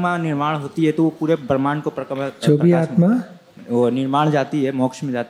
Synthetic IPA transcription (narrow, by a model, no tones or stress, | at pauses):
manɪɾmaːɽ̃ɦoːt̪iɦɛt̪oʋopuːɾebɾmaːnkopɾɐt͡ʃoːbiaaːt̪ma | onɪɾmaːɽd͡ʒaːt̪iɦɛmɔːkʃmẽd͡ʒaːt̪i